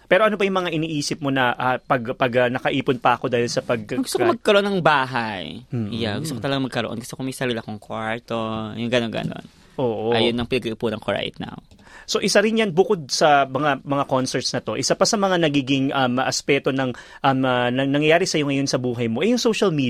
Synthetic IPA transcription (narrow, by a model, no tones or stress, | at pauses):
pɛːɾo̞ʔɐno̞bɐjʊŋmɐŋaʔɪniːʔiːsɪp̚mo̞nɐʔapɐɡpɐɡɐnɐkɐʔiːpʊnpɐɐko̞d̪aːhɪlsɐpɐɡ̚ɡʊst̪okmɐɡ̚kɐɾoʔonːɐŋbaːɦajjaɡʊst̪okot̪ɐlɐɡamɐɡ̚kɐɾo̰ʔonɡʊst̪okomɐjsɐlilɐkoŋkwaɹt̪ojʊŋɡɐnonɡɐ̰no̰n | ʔoːʔoʔajonːɐŋpɪnɐɡɐʔɪpunɐŋkoɹa̰jt̪̚na̰w | so̞ʔɪsaɾɪnjanbʊko̞d̪̚sɐmɐŋamɐŋako̞nsɛɹt̪snɐt̪o̞ʔɪsapɐsɐmɐŋanɐɡiːɡɪŋʔɐmʔɐspɛːt̪o̞nɐŋ | ʔɐmɐnɐnɐŋjɐjaːɾɪsɐjo̞ŋɐjo̞nsɐbuːɦɐjmo̞ʔɛjʊŋso̞wʃɐlmiː